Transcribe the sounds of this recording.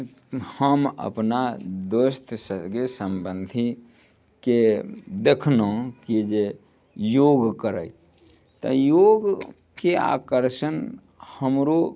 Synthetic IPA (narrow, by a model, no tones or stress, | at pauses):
həmə̰pnad̪ost̪ʰsəɡesəmbənd̪ʱi | ked̪ekʰnõkid͡ʒe | joɡkəɾə̰j | t̪ə̰joɡ | kea̰kəɾʃən | həmɾo